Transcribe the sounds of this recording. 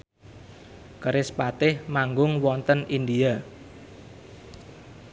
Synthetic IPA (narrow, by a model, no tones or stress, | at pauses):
kəɾɪspat̪ɪhmaŋɡʊŋwɔnt̪ənind̪ia